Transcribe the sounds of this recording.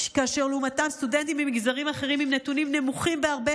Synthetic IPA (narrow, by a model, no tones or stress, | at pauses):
kaaʃeʁlumatamst̪ude̞nt̪̬imbemiɡzaʁimaχe̞ʁimimnetunimne̞muχimbeaʁbe